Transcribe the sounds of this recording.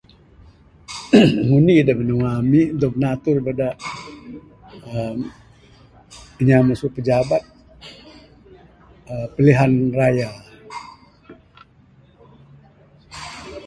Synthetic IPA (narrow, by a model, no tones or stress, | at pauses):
ŋuniːdamənəŋamiʔdɔɡ̚nat̪ʊrbadaʔ | ə | iɲamasʊʔpəd͡ʒabat̪̚ | əpəliɦanraja